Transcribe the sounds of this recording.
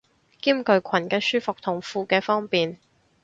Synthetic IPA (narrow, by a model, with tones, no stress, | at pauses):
kiː˥mkɵ˧ɥkʷʰɐ˨˩nkɛː˧syː˥fʊ˨k̚t̪ʰʊ˨˩ŋfuː˨˧kɛː˧fɔː˥ŋpiː˨n